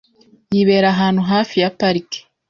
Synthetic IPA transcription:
jiβeːɾaɦaːnhuɦaːfijapaɾike̥

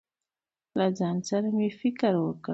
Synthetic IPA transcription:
lazansaɾamifikəɾwəkə

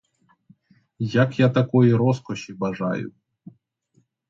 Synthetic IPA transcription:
jakjat̪ɐkɔjiɾɔskɔɕibɐʐa̰jʊ̰

